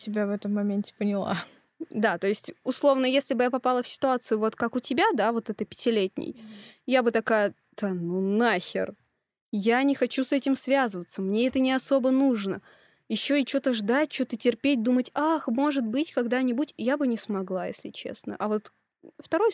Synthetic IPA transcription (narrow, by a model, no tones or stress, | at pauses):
tʲɪbʲavɛt̪əmːɐmʲentʲɪ̥pənʲɪlˠa̰ | d̪at̪o̞ɪsʲtʲʊslˠo̞vnəjesʲlʲɪbɨjapɐpalˠəfsʲɪ̥t̪ʊat̪sɨjʊvo̞t̪kakʊtʲɪbʲad̪avo̞t̪ɛt̪əpʲɪ̥tʲɪlʲetʲnʲɪ̰jjabɨt̪ɐkajə | d̪̥ənunaxʲɪ̰r | janʲɪxɐt͡ɕusɛtʲɪmsvʲazəvət̪səmnʲeɛt̪ənʲɪɐso̞bənuʐnə | jɪɕːo̞ɪt͡ɕo̞t̪əʐd̪at̚ʲt͡ɕo̞t̪ətʲɪrpʲet̚ʲd̪umətʲaxmo̞ʐɨt̪̚bɨtʲkɐɡd̪anʲɪbutʲjabɨnʲɪsmɐɡlˠajḛsʲlʲɪt͡ɕḛsnə̰ʔɐvo̞t̪ | ft̪ɐɾo̞j